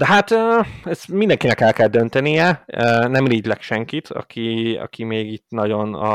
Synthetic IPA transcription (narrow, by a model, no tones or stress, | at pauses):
d̪ɛɦat̪øɛzmind̪ɛŋkinɛkɛlkɛld̪ønt̪ɛnijɛønɛmleːɟlɛkʃɛŋkit̪ʰɒ̰kʰiɒ̰kʰimeːɡit̪nɒɟo̞nɒ̰